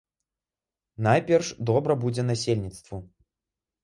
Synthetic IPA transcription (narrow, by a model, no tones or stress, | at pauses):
najpʲɛrʂd̪ɔbɾɐbud͡zʲɛnasʲelʲnʲit̪st̪vu